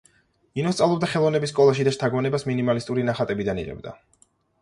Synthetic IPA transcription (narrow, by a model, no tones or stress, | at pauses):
inɔst̪sʼavlˠɔb̚d̪aχɛlˠɔvnɛbisːkʼɔlˠaʃ̬id̪aʃt̪ʰaɡmɔnɛbasminimalist̪ʼuɾinaχat̪ʼɛbid̪anḭʁɛ̰b̚d̪a̰